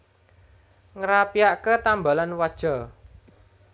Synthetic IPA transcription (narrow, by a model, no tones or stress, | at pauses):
ŋəɾapiaʔkət̪ambalanwad̥ʒ̥ɔ